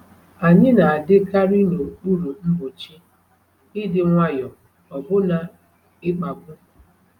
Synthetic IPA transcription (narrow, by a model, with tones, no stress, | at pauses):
a˨ɲɪ˦na˨a˨dɪ˦ka˦ɾi˦no˨k͡pu˦ɾu˨m̩˦bʊ˨t͡ʃi˦ | ɪ˦dɪ˨ŋʷa˦jɔ˨ | ɔ˨bʊ˦na˨ | ɪ˦k͡pa˨ɡʷʊ˦